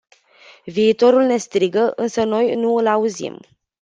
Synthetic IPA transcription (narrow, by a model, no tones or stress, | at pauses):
viːt̪o̞ɾulne̞st̪ɾiɡəʔɨnsəno̞jnuɨlauzḭm